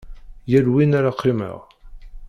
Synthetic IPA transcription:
jælwinaɾaqʰːimə̰ʁ

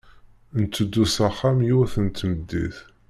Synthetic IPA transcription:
nt̪ːəd̪ːusaχːamjuθənt̪ːməd̪ːḭθ

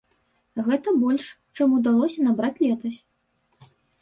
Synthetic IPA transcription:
ɣɛt̪ɐbɔlʲʂ | t͡ʂamud̪alˠɔsʲɐnabɾat͡sʲlʲɛt̪ɐsʲ

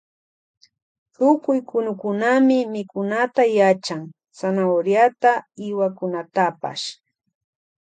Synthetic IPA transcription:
t̪ʊkʊjkʊnʊkʊnamɪmɪkʊnat̪ajat͡ʃaŋ | sanaoɾjat̪aɪwakʊnat̪apa̰ʃ

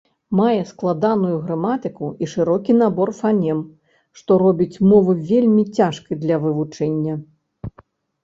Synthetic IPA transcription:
majɛsklˠad̪anujuɣɾamat̪ɨkuiʂɨɾɔkʲin̪abɔrfanʲɛm | ʂt̪ɔɾɔbʲit͡sʲmɔvɨvʲelʲmʲit͡sʲaʂkɨjd̪lʲɐvɨvut͡ʂɛnʲːɐ

